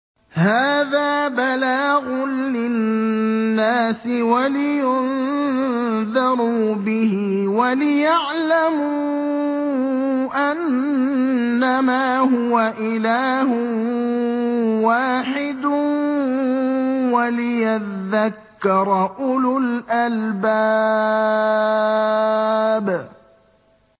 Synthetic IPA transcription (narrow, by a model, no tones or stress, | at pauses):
haːðaːbalaːɣʊlɪː | aːsɪwalɪjʊn | ðɑɾˤuːbɪhɪ | walɪjaʕlamu | ʔan | amaːɦʊwaʔɪlaːhʊ | waːħɪd̪ | walɪjaðːakːɑɾˤɑʔʊlʊlʔalbaː | b